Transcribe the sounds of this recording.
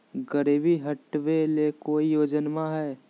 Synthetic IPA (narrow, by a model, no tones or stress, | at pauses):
ɡəɾiːbiɦɐʈʋelekoːijoːd͡ʒənmãɦɛː